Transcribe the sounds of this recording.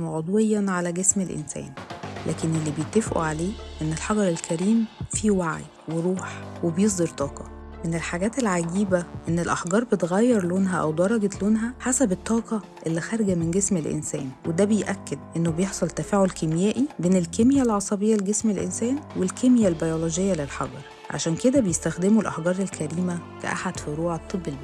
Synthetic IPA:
oʕod̪ˤwejːænʕalæɡesmelʔḛnsæ̰ːnlʔæ̰ːkenʔelːibejet̪ːefʔṵʕaleːʔenːelħɑɡɑɾˤelkæɾiːmfiwaʕ̰j | weɾˤuːħwebjes̬ˤd̪eɾˤt̪ˤɑːqɑ̰ | menelħaɡæːt̪elʕaɡiːbæʔenːelʔɑħɡɑːɾˤbet̪ɣæjːɑɾˤloːnɦæʔæ̰wd̪ɑɾˤɑɡet̪loːnɦæħasæbet̪ˤːɑːqɑʔelːixæɾˤɡæmenɡesmelʔḛnsæ̰ːnwed̪æbejʔækːed̪̚ʔenːobejeħsˤolt̪ːæfæːʕolkemjæːʔibeːnelkemjælʕɑsˤɑbejːæleɡesmelʔḛnsæːnwelkemjælbæjolod͡ʒejːælelħɑ̰ɡɑɾˤ | ʕa̰ʃæːnked̪æbejest̪æxd̪emulʔɑ̰ħɡɑːɾˤelkʰæɾiːmækæ̰ʔa̰ħad̪̥fiɾuːʕet̪ˤːebːelb

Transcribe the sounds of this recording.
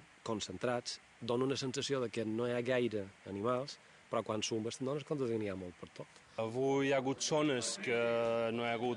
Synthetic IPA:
konsənt̪ɾat͡s | d̪onunəsənsəsioðəkənoeaɣajɾəənimalˠs | pəɾɔkwansumbəst̪ənonəskond̪əðiniamolˠt̪̚pəɾt̪ot̪ | əβujaɣut̪sonəskənoaɣu

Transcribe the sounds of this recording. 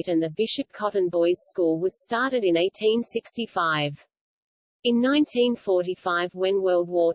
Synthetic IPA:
ɾɨ̃nðɨbɪʃɨp̚kʰɑʔn̩bɔɪz̥skulˠwʌz̥stɑɹɾɨɾɨ̃neɪtʰĩnsɪkstifaɪv | ɨ̃nːãɪ̃ntʰĩnfɔɹɾifaɪvwɨ̃nwɜ˞lˠd̚wɔ

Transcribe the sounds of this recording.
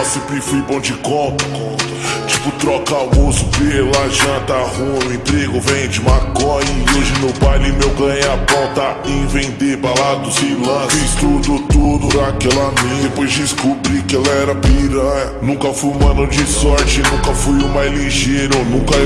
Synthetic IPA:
sipifujbõd͡ʒɪkõt̪ɐ̥kõt̪ɐt͡ʃipʊt̪ɾɔkaʊmosʊ̥pelaʒɐ̃t̪ɐhũʊẽt̪ɾeɡʊvẽjd͡ʒɪmakõɪoʒɪnobajlɪmewɡɐ̃ɲapõt̪ɐẽvẽd̪epalad̪ʊsilɐ̃sfist̪ud̪ʊt̪ud̪ʊɾakɛlɐmĩepojzd͡ʒɪskobɾikɪɛlɐɛɾɐpiɾɐɐnũkɐfujũmɐ̃nõd͡ʒɪsɔɾt͡ʃɪɪnũkɐfujʊmajzliʒejɾonũkɐ

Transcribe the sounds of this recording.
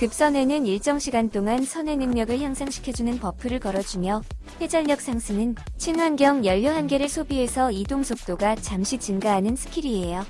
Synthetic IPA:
kɯp̚s͈ʌne̞nɯniɭt͡ɕ͈ʌŋɕʰiɡant͈oŋansʰʌne̞nɯŋɲjʌɡɯɭçjaŋsʰaŋɕʰi̥kʰjʌd͡ʑunɯnpʌpʰɯɾɯɭkʌɾʌd͡ʑumjʌ | he̞d͡ʑaʎːʌk̚s͈ʰaŋsʰɯnɯnt͡ɕʰinwanɡjʌŋjʌʎːʌɦanɡe̞ɾɯɭsʰobie̞sʰʌidoŋsʰok̚t͈oɡat͡ɕamɕʰit͡ɕinɡaɦanɯnsʰɯ̥kʰiɾiejo

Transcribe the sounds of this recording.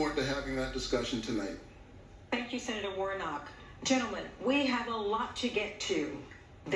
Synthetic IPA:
ɔɹtɨɦævɪ̃ŋðɨt̚d̥ɨskʌʃn̩tʰɨnaɪt̚ | θæ̃ŋkjɨsɛnɨɾə˞wɔɹnɑk | d̥ʒ̥ɛ̃ɾ̃l̩ˠmɨ̃nwiəvəlɔtʰɨɡɛtʰʉ | ð

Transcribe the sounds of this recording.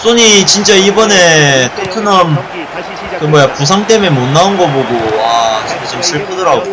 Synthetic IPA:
s͈oɲit͡ɕint͡ɕ͈aibʌne̞tʰepʰjonam | kɯmʌjapus̬ʰaŋt͈e̞memonːaunɡʌboɡoat͡ɕintat͡ɕimsʰɯɭp͈ʰɯdɯɾao

